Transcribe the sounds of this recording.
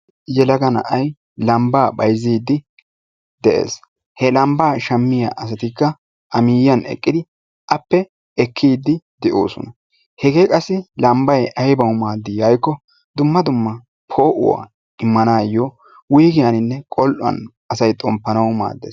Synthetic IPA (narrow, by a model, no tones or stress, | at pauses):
jɛlɐɡɐnɐ̰ʔɐj | lɐmbaːbɐjziːd̪ːɪ | d̪ɛʔḛːs | hɛlɐmbaːʃɐmːɪjaːʔɐs̬ɐt̪ɪkːɐ | ʔɐmiːjɐnɛ̰kʼːɪd̪ɪ | ʔɐpːɛ | ɛkʰːiːd̪ːɪd̪ɛʔo̰ːsɔ̰nɐ | hɛɡe̞ːkʼɐsːɪlɐmbɐjʔɐjbɐwʊmaːd̪ːɪjɐjkːɔ | d̪ʊmːɐd̪ʊmːɐ | pʰo̞ːʔʊ̰wa̰ː | ɪmːɐnaːjɔ | wʊjɡɪjɐnɪnːɛkʼɔlʔʊɐ̰nʔɐsɐjt̪ʼɔmpːɐnɐwma̰ːd̪ːeːs